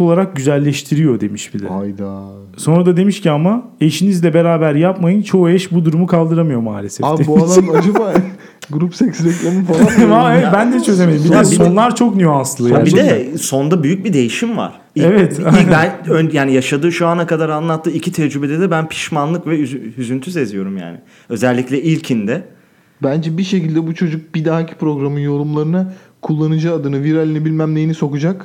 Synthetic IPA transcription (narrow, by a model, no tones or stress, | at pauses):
o̞lˠaɾak̚ɟyzælʲːɛʃt̪ʰiɾijo̞d̪emiʃbid̪ɛajd̪a | so̞nɾad̪ad̪e̞miʃciamaeʃinizlʲɛbe̞ɾaːbæɾjapmajɯnt͡ʃʰo̞uɛʃbud̪uɾumukʰalˠd̪ɯɾamɯjo̞ma̰ːlʲesɛabualˠamad͡ʒaba | ɡɾupsɛcsɾɛclʲemɯfalˠaaebænd̪ɛt͡ʃʰø̞zʲemed̪imbid̪ɛsonlˠaɾt͡ʃʰo̞knyjansɯlˠajid̪ɛso̞nd̪abyjyc̚bid̪e̞jiʃimva̰ɾ̥ | iɛvɛt̪ibænønjaːnijaʃad̪ɯːʃuanakad̪aɾanlˠat̪ʰːɯːicʰit̪ʰɛd͡ʒɾybe̞d̪ɛd̪ɛbænpʰi̥ʃmanlˠɯkvɛyzyzynt̪ʰyze̞zijo̞ɾumja̰ːnɪ̰ | ø̞zɛlʲːicʲlʲɛilʲcʰind̪ɛ | bænd͡ʒɛbiʃe̞cilʲd̪ɛbut͡ʃʰo̞d͡ʒuk̚b̥id̪aɦacʰi̥pɾo̞ɡɾamɯnjo̞ɾumlˠaɾɯna | kʰulˠːanɯd͡ʒɯːd̪ɯnɯviɾalʲinɛbilʲmæmlʲejiniso̞kud͡ʒak